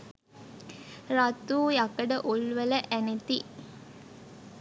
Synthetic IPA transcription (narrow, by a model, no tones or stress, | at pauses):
rat̪uːjɐkəɖəʔulʋɐləʔænet̪i